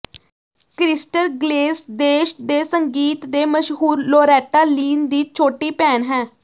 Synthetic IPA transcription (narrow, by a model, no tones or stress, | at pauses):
kɾɪsʈəɾɡleːsd̪eːʃd̪eːsəŋɡiːt̪d̪eːməʃɦuːɾloːɾɛːʈaːliːnd̪iːt͡ʃʰoːʈiːpɛːnɦɛ̃ː